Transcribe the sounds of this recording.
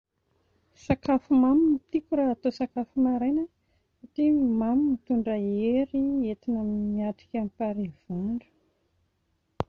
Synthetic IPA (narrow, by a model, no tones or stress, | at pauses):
sakafumamimit̪ikuɾaːt̪osakafumaɾenə | satimamimit̪uɳɖ͡ʐəeɾiet̪inamniaʈ͡ʂi̥kʲampaɾiv̥uɳɖ͡ʐə̥